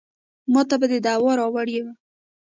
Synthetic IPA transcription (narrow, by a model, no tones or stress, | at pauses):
mɑt̪abad̪əd̪awɑɾɑwaɽjewa